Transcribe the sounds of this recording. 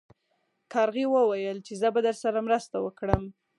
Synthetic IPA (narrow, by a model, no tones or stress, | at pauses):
kʰɑɾɣiwəwajəlt͡ʃezəbad̪əɾsaɾamɾəst̪awəkɽəm